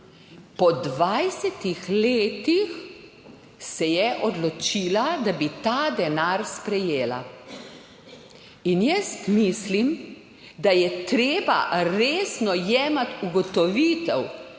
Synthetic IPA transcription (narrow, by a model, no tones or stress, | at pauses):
pɔd̪ʋajsɛt̪ixleːt̪ix | sɛjɛʔɔd̪lɔt͡ʃiːlad̪abit̪aːd̪ɛnaɾspɾɛjeːla̰ | injɛst̪miːslim | d̪ajɛt̪ɾeːba̰ɾeːsnɔjɛːmat̪uɡɔt̪ɔʋiːt̪ɛw